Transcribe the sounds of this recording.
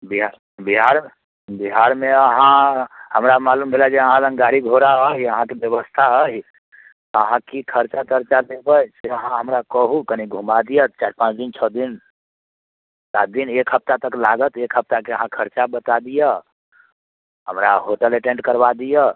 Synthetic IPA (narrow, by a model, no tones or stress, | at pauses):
biɦaɾ | biɦaɾ | biɦaɾmeəɦãhəmɾamalumbʱelad͡ʒeəɦãlə̃ŋɡaɾiɡʱoɾaəɦiəɦãkebjəβəst̪ʰaəɦi | əɦãkikʰəɾt͡ʃat̪əɾt͡ʃalebəjseəɦãɦəmɾakəɦukəniɡʱumad̪ijət̪t͡ʃaɾpãt͡ʃd̪int͡ʃʰɔd̪in | sat̪̚d̪inekɦəp̚t̪at̪əklaɡət̪ekɦəp̚t̪akeəɦãkʰəɾt͡ʃabət̪ad̪ijə | ɦəmɾaɦoʈəleʈẽɳʈkəɾbad̪ijə